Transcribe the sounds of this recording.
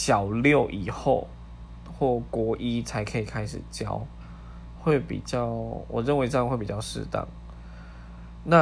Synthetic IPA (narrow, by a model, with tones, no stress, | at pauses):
ɕjɑ˨˩ʊljo˥˨˩ʊʔi˨˩xo˥˧ʊ | xwɔ˥˩kwɔ˧˥ʔi˦˥t͡sʰa˧˥ɪkʰɤ˧˥i˨˩kʰa˥ɪʂɻ̩˨˩t͡ɕjɑ̰˥ʊ | xwe˥˩ɪpḭ˨˩t͡ɕjɑ˥˩ʊwʔɔ̰˨˩ɻə˥˩nwɪʈ͡ʂɤ˥˧˩ə˨nxwe˥˩pi˨˩t͡ɕɑ˥˧ʊʂɻ̩̰˥˧t̪ɑ̰˥˩ŋ | na˥˨